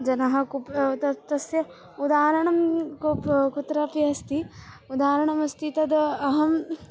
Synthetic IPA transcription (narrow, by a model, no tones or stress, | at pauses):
d͡ʒɐnɐɦɐ̆kupt̪ɐt̪ɐsjɐ | ud̪aːɾɐɳɐmkopkut̪ɾaːpiɐst̪i | ud̪aːɾɐɳɐmɐst̪it̪ɐd̪ɐɦɐm